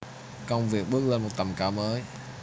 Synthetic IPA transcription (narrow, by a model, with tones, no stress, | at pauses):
kə˧wŋ͡mvi˨˩ək̚ɓɨ˦˥ək̚le˧nmo˨˩t̚t̪a˨˩mkaː˨˦wməː˨˦j